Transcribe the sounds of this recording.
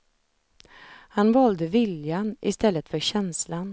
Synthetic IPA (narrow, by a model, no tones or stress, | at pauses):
hanvɑːld̪əvɪljanʔɪ̰st̪ɛlːət̪fœɕɛnslan